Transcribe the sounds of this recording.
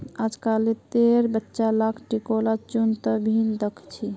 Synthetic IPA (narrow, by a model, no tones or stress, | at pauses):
ad͡ʒkalet̪eɾbətːʃalakʰʈikolat͡ʃunt̪əbʱind̪əkʰt͡ʃʰi